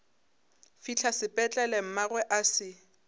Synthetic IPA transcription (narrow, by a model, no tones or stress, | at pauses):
fit͡ɬʰasɪpʼɛt͡ɬʼɛlɛm̩maɣwɛʔasɪ